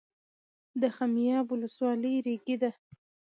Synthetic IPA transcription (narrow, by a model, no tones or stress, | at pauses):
d̪əxamijɑbʊləswɑləjɾeɡid̪a